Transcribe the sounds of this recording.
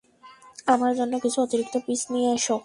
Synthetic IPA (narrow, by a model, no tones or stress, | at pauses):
amaɾd͡ʑonːokit͡ɕʰuot̪iɾik̚t̪opisnijeaʃo